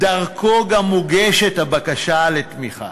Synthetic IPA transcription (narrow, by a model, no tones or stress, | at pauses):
daʁkʰoɡamːuɡeʃet̪habakaʃale̞t̪miχa̰